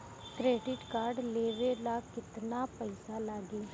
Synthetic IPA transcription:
kɾeːɖɪʈkaːɾɖleːʋeːlaːkɪt̪naːpəisaːlaːɡiː

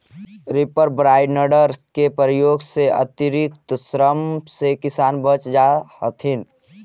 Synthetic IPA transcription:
ɾɪpəɾbɾaːɪɖnəɖəɾkepɾəjoːɡseʔə̰t̪iɾɪkt̪sɾəmsekɪsaːnbət͡ʃd͡ʒahət̪ʰin

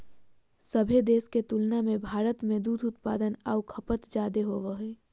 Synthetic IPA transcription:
səbʱed̪eːsket̪ulnamẽbʱaːɾət̪mẽd̪uːd̪ʊt̪pa̰ːd̪ənaukʰəpət̪d͡ʒaːd̪eɦoʋəɦeː

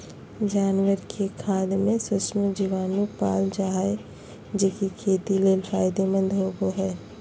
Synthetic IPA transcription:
d͡ʒaːnwəɾkʰekʰaːd̪mẽsʊsmod͡ʒiʋaːnupa̰ːld͡ʒaːɦae | d͡ʒekikʰeːt̪ileːlfaːɪd̪emə̃nd̪ɦoɡoɦɛː

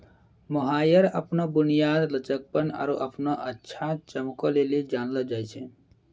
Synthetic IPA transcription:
məɦaːjəɾəpnɔbʊnijaːd̪lət͡ʃək̚pəna̰ɾuʔəpnaʔətːʃʰat͡ʃəmkɔlelid͡ʒaːnləd͡ʒaːjt͡ʃʰe

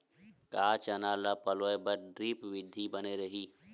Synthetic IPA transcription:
kaːt͡ʃɐnaːlapɐloːebɐɾɖɾiːpʋɪd̪ʱːibɐneɾɐɦiː

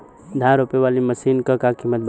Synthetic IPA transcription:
d̪ʱãɾopeʋaːliməsiːnkəkakimət̪̚b

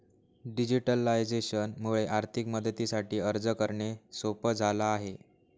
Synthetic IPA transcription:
ɖid͡ʑiʈəlajd͡zeɕənmuɭeʔaɾt̪ʰikməd̪ʱət̪isaʈiːəɾd͡zəkəɾɳesopəd͡zʱalaːɦe

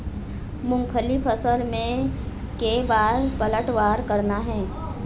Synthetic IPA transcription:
mʊ̃ŋɡpʰəlipʰəsəlmẽ | keʋaːɾpələʈʋaːɾkɐɾnaɦɛ̃ː

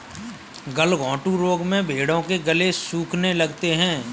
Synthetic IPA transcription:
ɡəlɡɔ̃ːʈũɾoːɡmẽbʱeːɽõkeɡɐlesuːkʰnelɐɡt̪eɦɛ̃ː

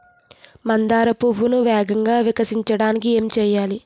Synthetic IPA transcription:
mɐnd̪aːɾɐpubunuʋɛːɡɐŋɡaːʋikɐsiɲt͡ʃɐɽaːnikie̞ːmt͡ʃɛːjaːli

